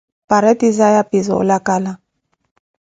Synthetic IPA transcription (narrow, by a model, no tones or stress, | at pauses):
paɾɛtizajapizɔ̰lakala